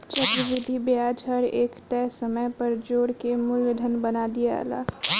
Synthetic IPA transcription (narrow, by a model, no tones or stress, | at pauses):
t͡ʃɐt̪ɾəʋɪd̪ʱibjaːd͡ʒʰəɾeːkʈ̪ɛːsəməjpɐɾd͡ʒoːɽkemʊljəd̪ʱənbɐnaːd̪ija̰la̰ː